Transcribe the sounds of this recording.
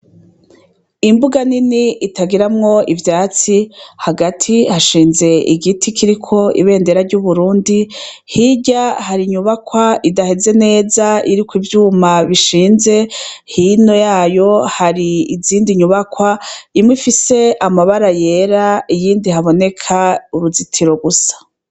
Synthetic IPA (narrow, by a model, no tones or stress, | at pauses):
imbuɡaniniitaɡiɾamŋo̞ivjaːt͡sihaɡatʰihaʃiːnze̞ḭɡitʰikʰiɾikʰo̞ḭβe̞ːnde̞ɾaɾɟuβuɾuːndi | hiɟahaɾiɲuβakwaidahe̞ze̞ne̞ːzaiɾikwivjuːmaβiʃiːnze̞hino̞jaːjo̞haɾiːziːndiɲuβakwaimwifise̞amaβaɾaje̞ɾaijiːndihaβo̞ne̞kʰauɾuzitʰiɾo̞ɡusḁ